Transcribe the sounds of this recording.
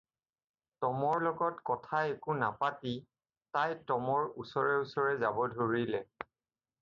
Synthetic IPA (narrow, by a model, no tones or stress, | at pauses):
tɔmɔɹlɔɡɔtkɔtʰaekʊnapati | tajtɔmɔɹusɔɹɛusɔɹɛzabɔdʱoɹilɛ